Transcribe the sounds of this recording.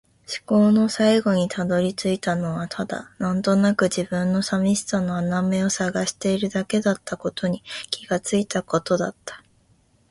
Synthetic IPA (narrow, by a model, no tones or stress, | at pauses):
ɕi̥ko̞ːno̞saiɡo̞ɲ̟it̪ʰad̪o̞ɾʲit͡sɨit̪ano̞β̞at̪ʰad̪a̰nãnt̪o̞nakɯ̟d͡ʑibɯ̟̃nːo̞samʲiɕi̥t͡sano̞aname̞o̞saɡaɕi̥t̪e̞iɾɯ̟d̪ake̞d̪at̪ʰːako̞t̪ʰo̞ɲ̟ikʲʰiɡ̥at͡sɨit̪ako̞t̪o̞d̪at̪ːḁ